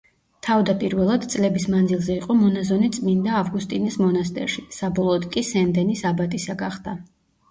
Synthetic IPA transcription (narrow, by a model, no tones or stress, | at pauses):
t̪ʰavd̪apʼiɾvɛlˠad̪t̪sʼlɛbismand̪zilˠzɛiqʼɔmɔnazɔnit̪sʼmind̪aːvɡust̪ʼinismɔnast̪ʼɛ̰ɾʃisabɔlˠɔːd̪kʼisɛnd̪ɛnisabat̪ʼisaɡaχd̪̥a